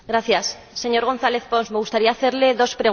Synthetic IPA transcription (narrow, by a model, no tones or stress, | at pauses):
ɡɾaθjasː | e̞ɲo̞ɾɣ̞o̞n̟θaleθponsmeɣust̪aɾiaːθeɾleðo̞spɾeɣ